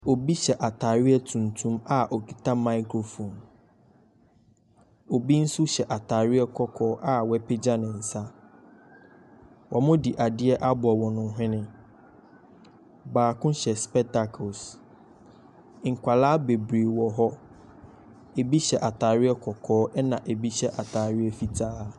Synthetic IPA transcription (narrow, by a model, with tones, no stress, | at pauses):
o˨bi˦ɕɛ˨ʔa˨tʰaː˨ɾɪ˦ɛ˦tʰũ˨ntʰũ˦ma˨ʔɔ˨kʰi˨tʰa˦mã˦ɪ˦kʰɾo˨fõ˨n | o˨bi˦n̩˦sʊ˦ɕɛ˨ʔa˨tʰa˨ɾɪ˦ɛ˦kʰɔ˦kʰɔː˦ʔa˨wɛ˦pʰe˦d͡ʑã˦nɪ̃˨n̩˨sa˦ | wʔɔ˨mʊ̃˦di˨ʔa˨dɪ˦ɛ˦ʔa˦bʊ˨ɔ˨wɔ̃˨nʊ̃˨˦ɦɪ̃˦nɪ̃˦ | baː˨kʰʊ̃˦ɕɛ˨spɛ˦tʰa˨kʰo˨s | ŋ̩˨kʷʰa˨laː˦be˨bɾeː˨wɔ˨ɦɔ˦ | e˨bi˦ɕɛ˨ʔa˨tʰaː˨ɾɪ˦ɛ˦kʰɔ˨kʰɔː˦ʔɛ˦nã˨ʔe˨bi˦ɕɛ˦ʔa˨tʰaː˨ɾɪ˦ɛ˦fi˨tʰaː˦